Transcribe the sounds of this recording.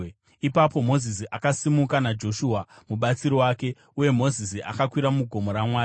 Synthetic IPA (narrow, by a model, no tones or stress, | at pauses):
ipapo̞mo̞zis̬iʔakasimukanad͡ʒo̞ʃuːa | muɓat͡siɾowaːke̞ | uje̞mo̞zisia̰kakwiɾamuɡʱo̞mo̞ɾamwaː